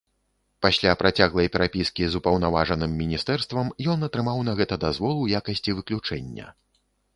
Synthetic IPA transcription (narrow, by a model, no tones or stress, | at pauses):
pasʲlʲapɾʔat͡sʲaɣlˠɐjpʲɛɾapʲiskʲizupɐwn̪avaʐɐnɨmːʲinʲist̪ɛrst̪vɐmjɔnɐt̪ɾɨmawnɐɣɛt̪ɐd̪azvɔlˠujakɐsʲt͡sʲivɨklʲut͡ʂɛnʲːɐ̰